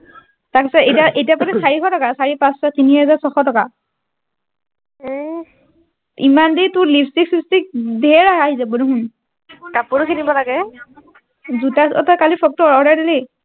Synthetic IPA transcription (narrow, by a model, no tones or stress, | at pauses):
takɛsɛetaʔetijapatɛsaɹikɔtɔkasaɹipãstatiniɦɛzasɔxɔtɔka | imanditʊlipstiksistik̚dʱɛɹaaɦizɛbɔnuɦʊn | tapʊɹukʰinibɔlaɡɛ | zutasɔ̰tɔkalipʰɔk̚tɔɔɹajdili